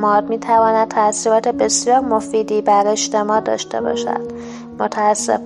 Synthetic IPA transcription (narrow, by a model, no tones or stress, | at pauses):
mɒːd̪miːt̪ʰævɒːnæd̪̚t̪ʰæsiɾɒːt̪ʰebe̞sjɒːɾmo̞fiːd̪iːbæɾe̞d͡ʒt̪e̞mɒːd̪ɒ̰ːʃt̪e̞̰bɒ̰ːʃæ̰d̪̥̚ | mot̪ʰæːsːḛ